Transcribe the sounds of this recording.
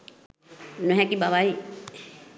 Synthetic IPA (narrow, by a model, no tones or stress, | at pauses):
nuɦɛ̃kibabai